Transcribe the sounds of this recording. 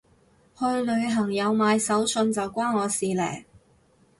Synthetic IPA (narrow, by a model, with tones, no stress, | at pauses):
hɵ˧ɥlɵ˨˧ɥɦɐ˨˩ŋjɐ˨˧wmaː˨˧jsɐ˨˥wsɵ˧nt͡sɐ˨wkʷaː˥nŋɔː˨˧siː˨lɛ̰ː˨˩j